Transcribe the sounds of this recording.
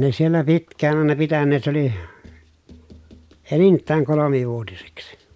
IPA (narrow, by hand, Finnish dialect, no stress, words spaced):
ne sielːæ pitkˑæːn ɑˑenɑ pitænːeːt se oli enintˑæːŋ kolomiʋuotiseksi̥